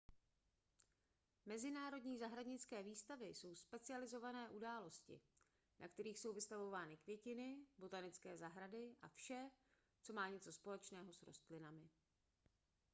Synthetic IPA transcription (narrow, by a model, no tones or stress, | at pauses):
mɛzɪnaːɾo̞dɲiːzaɦɾadɲɪt͡skɛːviːst̪avɪso̞wspɛt͡sɪalɪzo̞vanɛːʔudaːlo̞scɪ̰ | na̰kt̪ɛɾiːxso̞wvɪst̪avo̞vaːnɪkvjɛcɪnɪbo̞t̪anɪt͡skɛːzaɦɾadɪʔa̰fʃɛ | t͡so̞maːɲɛt͡so̞spo̞lɛt͡ʃnɛːɦo̞sɾo̞̰st̪lɪnamɪ